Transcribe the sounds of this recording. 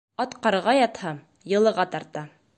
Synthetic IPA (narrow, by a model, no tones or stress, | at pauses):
ɑt̪qɑɾɤʁɑjɑt̪hɑm | jɤ̆lˠɤ̆ʁɑt̪ɑɾt̪ɑ